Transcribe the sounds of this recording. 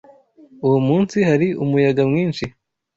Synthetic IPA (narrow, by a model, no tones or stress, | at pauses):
ujumuːnsihaɾiumujaɡamŋiːnʃi